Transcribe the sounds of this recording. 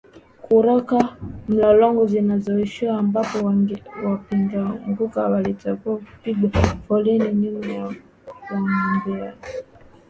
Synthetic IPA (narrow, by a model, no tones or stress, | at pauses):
kuɾakam̩lalɔŋɡɔvinazɔiʃiwaːmbapɔwapindaŋɡukaβalitakuapiɡwafɔlɛnininija | waŋɡɛa